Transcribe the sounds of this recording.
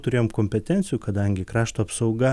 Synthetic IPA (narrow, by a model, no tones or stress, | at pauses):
t̪ʊɾʲeːjoːmkoːmʲpʲɛt̪ʲɛnʲsʲɪjukɐd̪ɐŋʲɡʲɪkɾɑːʃt̪oːɐpsɒʊɡɐ